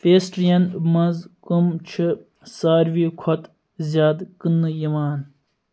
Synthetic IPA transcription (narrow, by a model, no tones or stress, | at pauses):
peːsʈɾijɐnmɐnzkumt͡ʃʰɨ | saːɾʋikʰɐt̪ | zʲjaːd̪kɨnːɨjimaːn